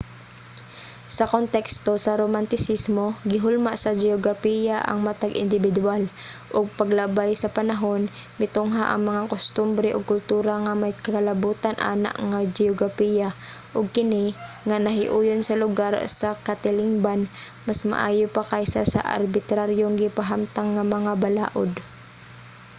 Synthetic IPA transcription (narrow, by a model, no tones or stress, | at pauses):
sɐkont̪ɛkst̪o̞sɐɾomant̪ɪsismo̞ɡɪɦʊlmaʔsɐd͡ʒɛoɡɾapijaʔɐ̰ŋmat̪aɡʔɪ̰nd̪ɪbɪd̪ualʔʊɡ̚pɐɡlabajsɐpɐnaɦo̞nmɪt̪oŋɦaʔɐ̰ŋmɐŋakost̪ʊmbɾɛʔoɡ̚kʊlt̪uːɾaŋamajkɐkalɐbuːt̪anʔa̰ːna̰ʔŋad͡ʒɛoɡɾapija | ʔʊɡ̚kɪnɪ | ŋanɐɦɪ̰ʔuːjonsɐlʊɡaɾsɐkat̪ɪlɪŋban | masma̰ʔaːjopakajsa̰sa̰ʔa̰ɾbɪt̪ɾaɾjoŋɡɪpaɦamt̪aŋːamɐŋabala̰ːʔo̰d̪